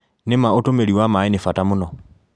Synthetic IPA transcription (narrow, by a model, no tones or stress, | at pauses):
nemaotomeliwamainefatamunɔ